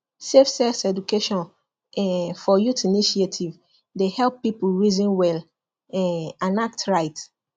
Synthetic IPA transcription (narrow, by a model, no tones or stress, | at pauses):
sefsɛsɛdukeʃɔ̃n | ɛfɔjutiniʃietʰiv | dehɛlˠpːipulɹizĩnwɛl | ɛãnak̚tɹaɪt